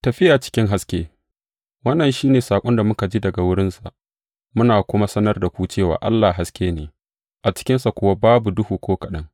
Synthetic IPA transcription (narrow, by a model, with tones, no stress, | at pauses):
tɐ˨ɸɪ˦jaː˨t͡ʃɪ̥˦kʲɪ˦ŋɦa˦skʲeː˦ | wɐ˦nːɐ˨nʃiː˦neː˨saː˨kʷʼɔ˦nda˨mʊ˦ka˨d͡ʒiː˦dɐ˨ɡa˨wʊ˦ɽɪ˦nsa˨ʔ | mʊ˦naː˨kʷʊ˦ma˦sɐ˦nɐ˦rda˨kʷuː˦t͡ʃeː˦˨wa̰ː˨ʔa̰˦lːaː˨ɦa˦skʲeː˦neː˨ | ʔa˨t͡ʃɪ̥˦kʲɪ˦nsa˨kʷʊ˦wa˦baː˦bu˨dʊ˦huː˨kʷoː˦kɐ˨ɗɐ˦ŋ